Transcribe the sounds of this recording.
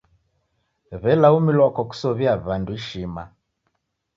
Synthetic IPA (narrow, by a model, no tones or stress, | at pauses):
βɛlaumilwakɔku̥sɔβiaβanduiʃima̰